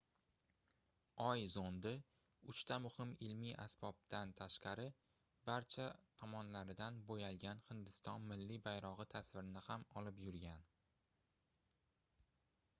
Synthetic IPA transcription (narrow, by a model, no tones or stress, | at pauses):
ɒjzond̪ɪ | ʊt͡ʃt̪ʰamʊhɪmɪlmiʔa̰sb̥ɒb̚t̪ant̪ʰaʃqɑɾɪ | baɾt͡ʃʰat̪ʰɒmɒnlaɾɪd̪anbojalɡʲanhɪnd̪ɪst̪ɒnmɪlːibajɾɒʁɨt̪ʰasvɪɾɪnɪhamɒlɪpjʊɾɡʲan